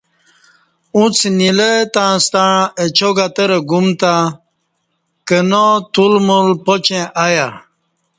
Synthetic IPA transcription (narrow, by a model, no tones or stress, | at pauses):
ũt͡sʰnilet̪ãst̪aɻãʔet͡ɕoɡat̪əɾeɡumt̪a | kənot̪ulmulpot͡ɕẽʔaja